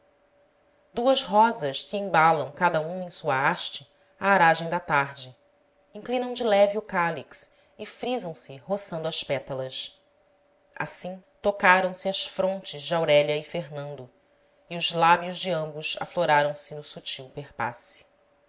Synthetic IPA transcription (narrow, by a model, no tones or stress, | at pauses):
d̪uɐzɦɔzɐʃsiẽbalɐ̃w̃kad̪ɐũẽj̃suɐaʃt͡ʃɪ | aːɾaʒẽj̃d̪ɐt̪aɾd͡ʒɪ | ĩŋklĩnɐ̃w̃d͡ʒɪlɛviukaliks | ɪfɾizɐ̃w̃sɪɦosɐ̃nd̪ʊɐʃpɛt̪ɐlɐʃ | a̰sĩt̪okaɾɐ̃w̃sɪɐsfɾõnt͡ʃɪzd͡ʒɪawɾɛʎɐɪfeɦnɐ̃nd̪ʊ | iʊzlabjʊʒd͡ʒɪɐ̃mbʊsa̰floɾaɾɐ̃w̃sɪnʊsut͡ʃiwpeχpa̰si̥